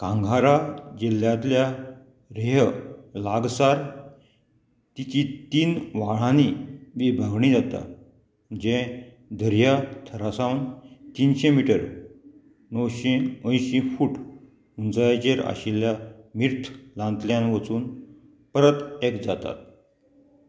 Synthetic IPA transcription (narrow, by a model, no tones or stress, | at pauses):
kãŋɡʱaɾad͡ʑeljãt̪lja | ɾeɦlaɡsaɾ | t̪it͡ɕit̪iːnʋaɭ̤ãniʋibʱəɡɳid͡zat̪a̰ | d͡ʑɛ̃ | d̪ʱəɾjat̪ʰəɾasawnt̪iːnɕẽmiʈəɾ | nəwɕẽə̃jɕifuːʈ | unt͡sajat͡ɕeɾa̰ɕiljamiɾt̪ʰlãnt̪ljãnʋət͡suːn | pəɾət̪ekd͡zat̪a̰t̪̚